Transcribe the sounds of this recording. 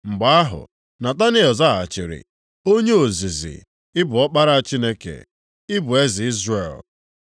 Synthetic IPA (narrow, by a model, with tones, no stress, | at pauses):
ŋ͡m̩˨ɡ͡ba˨˦a˦ɦʊ̰˨ | na˨ta˦nɪ˦ɔ˨za˦˨a̰˨t͡ʃɪ˨ɾɪ̰˨ | o˦ɲe˦o˨zi˨zḭ˨ | ɪ˦bʊ˨ɔ˦k͡pa˦ɾa˦a˦t͡ʃi˦ne˦kḛ˨ | ɪ˦bʊ˨e˦zi˨i˦zre˨l